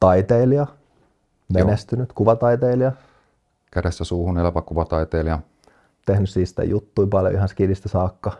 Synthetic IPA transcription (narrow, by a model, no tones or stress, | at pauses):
t̪ɑit̪eːliɑ | menest̪ynyt̪kuʋɑt̪ɑit̪eiliɑ | kæɾesːæsuːhunelɑpɑkuʋɑt̪ɑjt̪eːliɑ | t̪ehnyssiːsi̥t̪æ̰jut̪ːuipɑljo̰ihɑnskilist̪ɑsɑːkːɑ